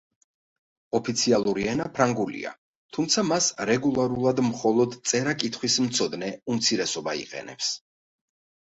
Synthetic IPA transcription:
ɔpʰit̪sʰialˠuɾiɛnapʰɾaŋɡulḭa̰ | t̪ʰumt̪sʰamasɾɛɡulˠaɾulˠad̪mχɔlˠɔd̪t̪sʼɛɾakʼit̪ʰχwismt̪sʰɔd̪nɛumt̪sʰiɾɛsɔbaḭqʼɛ̰nɛ̰ps

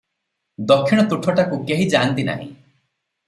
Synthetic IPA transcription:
d̪ɔkʰːiɽ̃ɔt̪uʈʰɔʈakukeɦid͡ʒaːnt̪ina̰ɦḭ̃

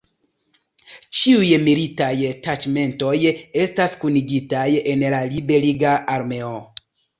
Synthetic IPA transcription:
t͡ʃiujmilitajtat͡ʃme̞nto̞je̞staskuniɡitaje̞nlalibe̞liɡaʔːɾme̞o

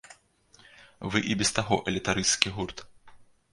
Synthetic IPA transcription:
vɨʔibʲɛst̪aɣɔʔɛlʲit̪aɾɨskʲiɦurt̪

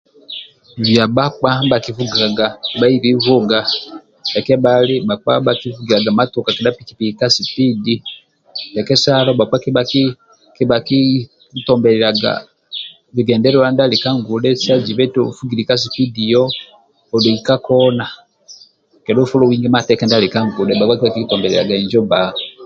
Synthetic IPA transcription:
βjabak͡pabakivuɡaɡabaiβivuɡa | ekeβalibak͡pa̰bakivuɡiɾaɡamatukakinapikipiikasipidi | dekesalobak͡pakiak | kiβaki | tombɛɾɛɾaɡa̰ | βiɡɛːndɛɾolandalikaŋɡudɛsad͡ʒiβɛtofuɡiɾikas̬ipidijoː | liikakona | kɛɾofulowiŋɡɛmatɛkandalikaŋɡudɛbakwakiβakitɔmbɛɾɛ̰ɾa̰ɡaiɲd͡ʒobao

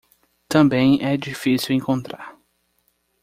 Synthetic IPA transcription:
t̪ɐ̃mbẽj̃ɛd͡ʒifisiwẽŋkõnt̪ɾa̰ɾ

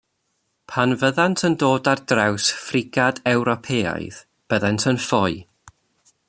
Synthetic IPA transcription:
pʰanvəðantʰəndoːdardrawsfrɪɡadɛwɾɔpʰeːa̰jð̥ | b̥əðɛntʰənfɔɨ

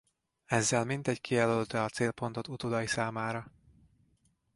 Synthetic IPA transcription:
ɛzːɛlmint̪ɛckʰijɛlølt̪ɛɒt̪seːlpo̞nt̪o̞t̪ut̪od̪ɒjisaːmaːɾɒ

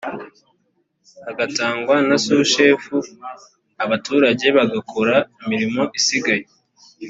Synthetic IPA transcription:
aɡataːŋɡwanasuːʃe̞ːfu | aβatuːɾaɟe̞βaɡakʰoɾaimiɾimo̞ʔisiɡaje

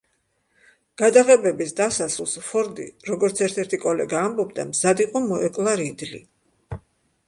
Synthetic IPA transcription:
ɡ̥ad̪aʁɛbɛbisd̪asasulˠsfʰɔɾd̪ḭɾɔɡɔɾt̪sʰɛɾt̪ʰɛɾt̪ʰikʼɔlɛɡaːmbɔbd̪a̰mzad̪iqʼɔmɔɛkʼlˠaɾid̪lḭ

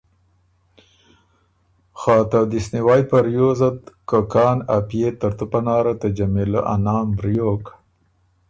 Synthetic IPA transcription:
xɑːt̪ad̪isniwɑːj̪̚paɾjoːzad̪kakɑːnapijet̪aɾt̪upanɑːɾat̪ad͡ʒamila̰ʔa̰nɑːmbɾjoːk

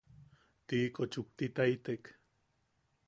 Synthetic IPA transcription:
t̪iʔːkot͡ʃuk̚t̪it̪ait̪ek

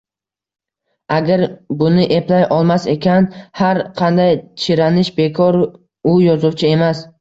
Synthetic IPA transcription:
aɡʲaɾbʊnɪʔe̞plajʔɒlˠmase̞kʲʰanhaɾqʰɑnd̪ajt͡ʃʰɪɾanɪʃbe̞kʰɒɾ | ʊjɒzʊwt͡ʃʰɪe̞mas

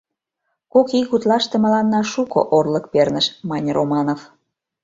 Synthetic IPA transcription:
kokikut̪lɑʃt̪ĕmə̆lɑnːɑʃuko̰ʔorləkpernəʃmɑnʲrʔomɑnov

